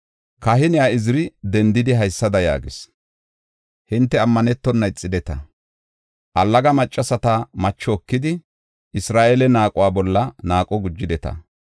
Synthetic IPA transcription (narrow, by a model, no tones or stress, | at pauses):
kɐɦɪnɪjaɪzɪɾɪd̪ɛnd̪ɪd̪ɪɦɐjsːɐd̪ɐja̰ːɡɪs | hɪnt̪ːɛɐmːɐnɛt̪ːɔnːɐɪt͡sʼːɪd̪ɛt̪ɐ | ʔɐlːɐɡɐmɐt͡ʃʼːɐsɐt̪ɐmɐt͡ʃːɔːkːɪd̪ɪ | ɪsɾaːʔeːlɛnaːkʼʊwaːbɔlːɐnaːkʼɔɡʊd͡ʒːɪd̪ɛt̪ɐ̰